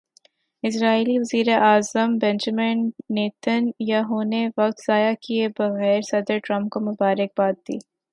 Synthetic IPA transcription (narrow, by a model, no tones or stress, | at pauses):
ɪs̬ɾaːiliʋɐziːɾeʔaːzəmbɛ̃nd͡ʒəmɪnːeːt̪ənjaɦoːneʋɐk̚t̪z̥aːjakiebɐɣɛːɾsɐd̪əɾʈɾɐ̃mpkomʊbaːɾɪk̚baːt̪̚d̪ḭː